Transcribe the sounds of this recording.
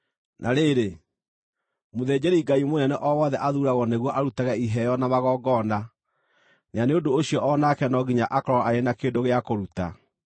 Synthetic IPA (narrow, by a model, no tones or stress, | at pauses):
nʔaɾeːɾe | moðɛːd͡ʑɛɾiɡaimonɛnɛʔɔwɔðɛʔaðuɾaɣɔneɣwɔʔaɾutaɣɛiɦɛjɔnamaɣɔːɡɔna | neaneodoːɕiɔʔɔnakɛnɔɡiɲaʔakɔɾɔaaenakeːndoɣeakoɾuta̰